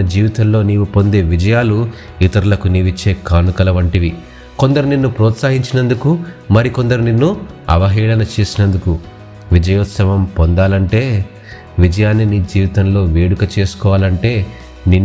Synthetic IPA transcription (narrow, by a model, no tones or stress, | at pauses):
ɐd͡ʒiːʋit̪ɐmlo̞ːniːʋupo̞nd̪e̞ːʋid͡ʒɐjaːlu | it̪ɐɾulɐkuniʋit͡ʃːe̞ːkaːnukɐlɐʋɐɳʈiʋi | ko̞nd̪ɐɾuninːupɾɔːt̪saːɦiɲt͡ʃinɐnd̪ukumɐɾiko̞nd̪ɐɾuninːu | ɐ̰ʋɐɦiːɭɐnɐt͡ʃe̞ːsinɐnd̪uku | ʋid͡ʒɐjoːt̪sɐʋɐmpond̪aːlɐɳʈe̞ː | ʋid͡ʒɐjaːnːiniːd͡ʒiːʋit̪ɐnlo̞ːʋeːɽukɐt͡ʃe̞ːsu̥kɔːʋaːlɐɳʈe̞ː | ninː